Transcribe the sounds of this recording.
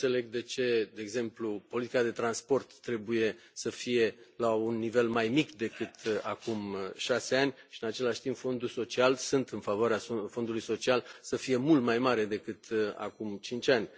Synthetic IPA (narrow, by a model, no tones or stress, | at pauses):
ɨnt̪se̞le̞ɡ̚d̪e̞t͡ʃe̞d̪e̞ːɡze̞mplupo̞lit̪ikad̪e̞t̪ɾanspo̞rt̪ːɾe̞buje̞səfije̞launːive̞lmajmikd̪e̞kɨt̪akumʃase̞anʲʃiɨnat͡ʃe̞laʃt̪impfo̞nd̪uso̞t͡ʃialsunt̪ɨnfavoaɾeafo̞nd̪ulujso̞t͡ʃialsəfije̞mult̪majmaɾe̞d̪e̞kɨt̪a̰kumt͡ʃint͡ʃʲanʲ